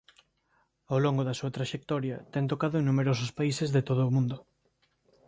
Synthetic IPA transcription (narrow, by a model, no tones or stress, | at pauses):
awloŋɡoðɐsuɐt̪ɾaʃek̚t̪ɔɾjɐt̪ɛŋt̪okaðʊeŋnːumeɾosʊspaisezðet̪oð̞ʊːmũnd̪ʊ